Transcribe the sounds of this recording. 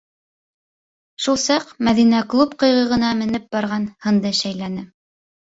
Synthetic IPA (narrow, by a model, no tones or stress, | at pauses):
ʃulˠsɑqmæðinæklˠupqɤ̆jʁɤ̆ʁɤ̆nɑmɘ̆nɘp̚bɑɾʁɑnhɤ̆nd̪ɤʃæjlænɘ